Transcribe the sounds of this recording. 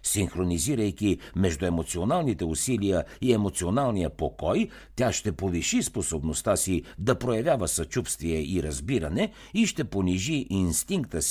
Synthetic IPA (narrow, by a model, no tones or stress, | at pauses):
sinxɾoniziɾəjkʲimɛʒd̪uɛmot̪sionalˠnit̪ɛusilijəiɛmot̪sionalˠnijəpokɔj | t̪ʲjaʃt̪ɛpoviʃisposobnost̪asid̪ɐpɾojɐvʲjavəsɐt͡ʃupst̪viɛiɾɐzbiɾɐnɛ | iʃt̪ɛponiʒiʔinst̪iŋk̚t̪əsi